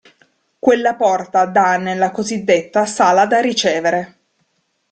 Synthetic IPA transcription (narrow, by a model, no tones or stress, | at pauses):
kwelːapɔrt̪ad̪anːelːakozid̪ːet̪ːasaːlad̪arit͡ʃeːveɾe